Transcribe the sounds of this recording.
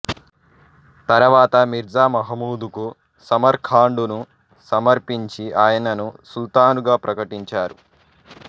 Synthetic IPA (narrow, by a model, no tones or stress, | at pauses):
t̪ɐɾɐʋaːt̪ɐmiɾd͡ʒaːmɐɦɐmuːd̪uku | sɐmɐɾkʰaːɳɖunu | sɐmɐɾpiɲt͡ʃiʔaːjɐnɐnusult̪aːnuɡaːpɾɐkɐʈiɲt͡ʃaːɾu